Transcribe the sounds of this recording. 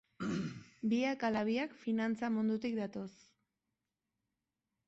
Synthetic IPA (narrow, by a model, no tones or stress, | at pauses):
biakalaβiakfinant͡samund̪ut̪ik̚d̪at̪o̞s